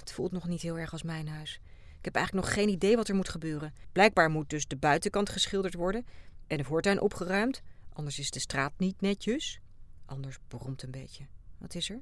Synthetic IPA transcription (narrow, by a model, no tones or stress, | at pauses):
ətfulˠtnɔχnitɦɪːlˠɛɹɑlˠsmɛjnɦœɥs | ɪkɦɛpɛ̰jxχlək̚nɔχχejnidejʋɑtɛɹmutχəbøːrənb̥lɛjɡ̚baːɹmut̚dɵzdəbœɥtəkɑntχəsχɪlˠdəɹtʋɔɹdənʔɛnəɦɔɹtɛnʔɔpχərœɥmtʔɑndəɹsɪzdəstraːt̚nitnɛcəs | ʔɑndəɹsbərɔmtənmbejcəʋɑ̰tɪsəɹ